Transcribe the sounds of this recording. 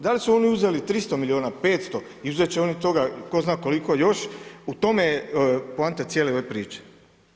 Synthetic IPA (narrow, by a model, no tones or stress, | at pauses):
d̪alisuo̞niuze̞lit̪ɾist̪o̞milioːnape̞ːt̪st̪o̞ | iuzet͡ɕeo̞nit̪o̞ɡako̞znaːko̞likojo̞ʃut̪o̞meplant̪et̪sjeːleoʋepɾiːt͡ʃe̥